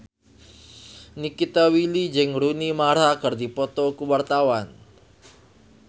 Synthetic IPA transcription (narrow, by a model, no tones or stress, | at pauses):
nikit̪awilid͡ʒɨŋɾunimaɾakərdipɔt̪ɔkuwart̪awan